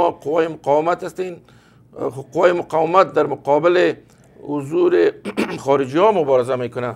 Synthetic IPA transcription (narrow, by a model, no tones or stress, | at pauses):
ɔqʊwajɪmʊqɑwɪmat̪ast̪en | qʊwajɪmʊqɑwɪmat̪̚d̪aɾmʊqɔbɪlɪ | hʊzuɾɪxɔɾɪd͡ʒiɔmʊbɔɾɪzamekʊna